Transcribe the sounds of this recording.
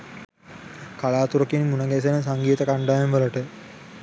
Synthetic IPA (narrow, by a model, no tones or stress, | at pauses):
kalaːt̪uɾəkinimunəɡɛs̬enəsaŋɡiːt̪əkaɳɖaːemʋələʈə